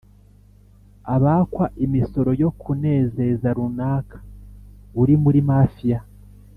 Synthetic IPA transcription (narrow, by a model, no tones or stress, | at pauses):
aβakwaʔimiso̞ɾo̞jo̞kʰune̞ːze̞zaɾunaːkḁ | uɾimuɾimafija